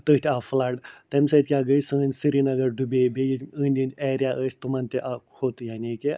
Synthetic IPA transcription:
t̪ət̪ʰʲeaflaʈt̪ɐmʲsət̪ʲkʲaɡəjsɨːnʲsɨɾinɐɡɐɾɖubebejiəːnʲd̪ʲinʲeːɾijaʔəsʲt̪umant̪eʔakʰot̪jaːnike

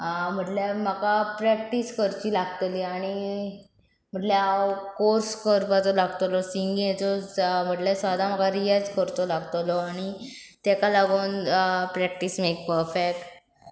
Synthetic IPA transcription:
m̤əʈlam̤akapɾɛk̚ʈiskəɾt͡ɕiːlaɡt̪liːaɽ̃i | m̤əʈleawkoɾskəɾpat͡sɔlaɡt̪lɔsiŋɡɛ̃t͡sɔm̤əʈlesad̪ʱam̤akaɾiad͡zkəɾt̪ɔlaɡt̪lɔaɽ̃i | t̪ɛkalaɡoːnpɾɛk̚ʈismekpəɾfekʈ

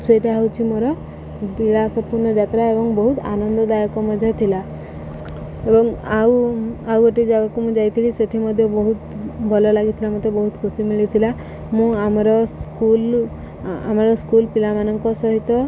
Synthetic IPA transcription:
seʈaɦawt͡ʃʰimoɾɔ | bilasɔpuɾnɔd͡ʒat̪ɾaebɔŋbɔɦut̪a̰nɔnd̪ɔd̪ajɔkɔmɔd̪ʱjɔt̪ʰila | ebɔŋawaweʈid͡ʒaɡakumũd͡ʒajt̪ʰiliseʈʰimɔd̪ʱjɔbɔɦut̪bʱɔlɔlaɡit̪ʰilamot̪ebɔɦut̪kʰusimiɭit̪ʰila | mũamɔɾɔskul | a̰maɾɔskulpilamanɔŋkɔsɔɦit̪ɔ

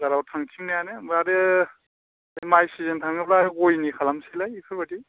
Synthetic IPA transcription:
zaɾawtʰaŋtʰiŋnajanemɾaɾe | majsizentʰaŋɯplaɡojnikʰalamsilajikʰɯɾbati

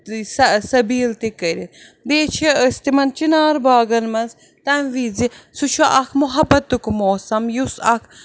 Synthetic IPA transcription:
sɐsɐbiːlt̪ikːəɾʲin | d̪eːt͡ʃʰeəst̪imɐnt͡ʃinaːɾbaːɡɐnmɐnz | t̪ɐmʋizisut͡ʃʰɐʔɐkʰmʊɦɐbːɐt̪ːukmoːsɐmjusɐkʰ

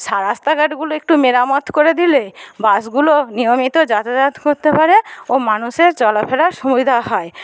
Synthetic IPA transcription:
ʃaɾast̪aɡaɖɡuloek̚ʈumeɾamot̪koɾed̪ilebasɡulonijomit̪od͡ʑat̪ad͡ʑat̪koɾt̪epaɾeomanuʃeɾt͡ɕɔlapʰɛlaɾʃubid̪ʱaɦɔe

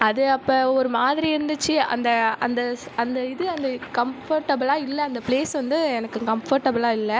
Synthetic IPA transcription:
ɐðɯɐpːɐːɔɾɯmaːðɪɾiɪɾɯnd̪ɯt͡ʃːɯɐ̰nd̪ɐɐ̰nd̪ɐɐnd̪ɐɪðɯɐnd̪ɐkɐmfɐɾʈːɐbɯlaːɪlːɛːnd̪ɐpleːsʋɐnd̪ɯɛnɐkːɯkɐmfɐɾʈːɐbɯlaːɪlːɛ

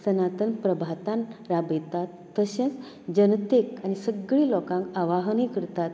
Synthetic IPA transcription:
sənat̪ənpɾəbʱat̪anɾabet̪at̪ːəɕə̃t͡s | d͡ʑənt̪ekañisəɡɭiːlɔkãŋkaʋaɦnikəɾt̪at̪

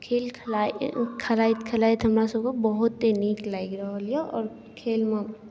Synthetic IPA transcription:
kʰeːlkʰlakʰɐlait̪kʰɐlaːit̪ɦɐmɾasɐbkobɐɦʊt̪ːeniːklaiɡɾɐɦolieɔ̰ːɾ | kʰeːlmẽ

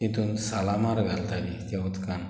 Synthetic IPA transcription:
ĩt̪unsalamaɾɡʱalt̪alit̪jaut̪kan

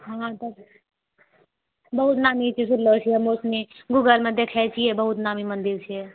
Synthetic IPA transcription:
ɦãt̪o | bɐɦut̪naːmit͡ʃʰisʊllot͡ʃʰiɐmosniɡuːɡəlmẽd̪ekʰɛt͡ʃʰiebəɦut̪naːmimɐ̃nd̪ɪɾt͡ʃʰe

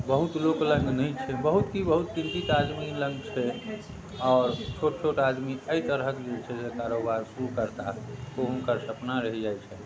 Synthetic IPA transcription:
bəɦut̪loklə̃ŋɡnəjt͡ʃʰɛbəɦut̪ɦibəɦut̪̚t͡ʃint̪it̪ad̪milə̃ŋɡt͡ʃʰɛ | ɔːɾt͡ʃʰoʈt͡ʃʰoʈad̪miəit̪əɾɦəkd͡ʒet͡ʃʰɛsekaɾobaɾsuɾukəɾt̪aoɦũnkəɾsəpnaɾəɦid͡ʒajt͡ʃʰɛ

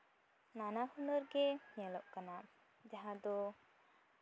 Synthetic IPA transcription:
nanahunɔɾɡɛɲɛlɔʔ̚kana | d͡ʒaɦad̪ɔ

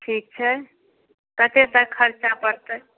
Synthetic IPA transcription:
ʈʰiːk̚t͡ʃʰɛ | kət̪et̪əkʰəɾt͡ʃapəɾt̪ə

